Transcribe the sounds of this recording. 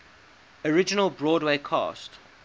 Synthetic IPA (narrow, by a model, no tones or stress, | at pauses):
əɹɪd͡ʒənəlˠbɹɔːdweɪkʰɑ̰ːst